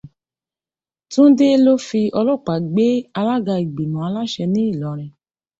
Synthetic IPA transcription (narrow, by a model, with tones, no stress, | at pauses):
tũ˦n̩˦de˦lo˦fi˧ɔ˧lɔ˦˨k͡pa˨ɡ͡be˦a˧la˦ɡa˧i˨ɡ͡bi˨nũ˨a˧la˦ʃɛ˧nĩ˦i˦˨lɔ˨˦ɾ̃ɛ̃˧